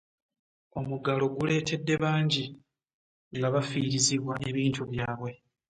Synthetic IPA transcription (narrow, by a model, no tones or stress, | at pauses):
o̞muɡalo̞ɡule̞ːtʰe̞dːe̞βaːɲɟi | ŋɡaβafiːɾiziβwaʔe̞βiːntuβjaːβwe̞